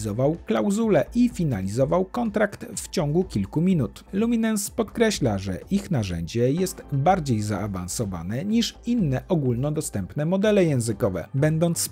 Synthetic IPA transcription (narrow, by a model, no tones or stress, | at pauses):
zɔvawklawzulɛʔifʲinalʲizɔvawkɔnt̪ɾakt̪ft͡ɕɔŋɡukʲilkumʲinut̪lumʲinanspɔt̪kɾɛɕlaʐɛ̰ʔixnaʐɛ̰ɲd͡ʑɛjɛst̪baɾd͡ʑejzaava̰nsɔva̰nɛɲiʂinːɛʔɔɡulnɔd̪ɔst̪ɛmpnɛmɔd̪ɛlɛjɛ̃w̃zɘkɔvɛ̰bɛnd̪ɔnt̪s